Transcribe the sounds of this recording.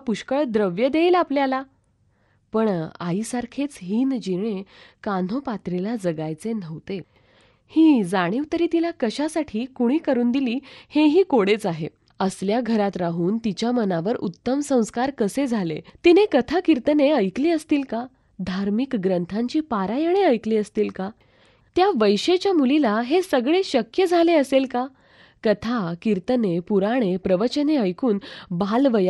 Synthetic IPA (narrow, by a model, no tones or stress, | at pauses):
puɕkəɭd̪ɾəʋjəd̪eiːlapljala | pəɳa̰isaɾkʰet͡sɦiːnd͡ʑiɳ̃ekan̤opat̪ɾilad͡zəɡajt͡sen̤əʋt̪e | hiːd͡zaɽ̃eut̪ɾiːt̪ilakəɕasaʈʰiːkuɽ̃iːkəɾuːnd̪iliːheɦiːkoɽet͡saɦe | əsljaɡʱəɾat̪ɾaɦuːnt̪it͡ɕjamənaʋəɾut̪ːəmsə̃w̃skaɾkəsed͡zʱalḛt̪inekət̪ʰakiɾt̪əneəjkliːəst̪iːlka | d̪ʱaɾmikɡɾənt̪ʰãɲt͡ɕiːpaɾajəɽ̃eəjkliːəst̪iːlka | t̪jaʋəjɕet͡ɕjamulilaɦesəɡɭeɕəkjəd͡zʱaleəselka | kət̪ʰakiɾt̪ənepuɾaɽ̃epɾəʋət͡ɕəneəjkuːnbalʋəja